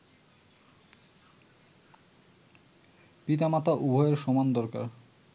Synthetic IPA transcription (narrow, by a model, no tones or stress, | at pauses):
pit̪̬amat̪aʔubʱɔeeɾʃɔmand̪ɔɾka̰ɾ